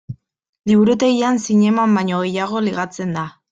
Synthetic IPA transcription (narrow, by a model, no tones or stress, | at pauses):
liβuɾut̪e̞ɣiansiɲe̞mambaɲo̞ɣe̞jaɣ̞o̞liɣ̞at͡se̞nd̪a